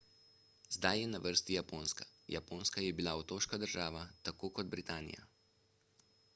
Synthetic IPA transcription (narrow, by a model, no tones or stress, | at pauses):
zd̪ajjɛnaʋəɾst̪ijapoːnskaja̰poːnskajɛbilaɔt̪oːʃkad̪əɾʒaːʋat̪akoːkɔd̪bɾit̪aːnḭja̰